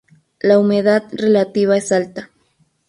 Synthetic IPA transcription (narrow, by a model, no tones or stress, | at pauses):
laumeðad̪relat̪iβaesalt̪a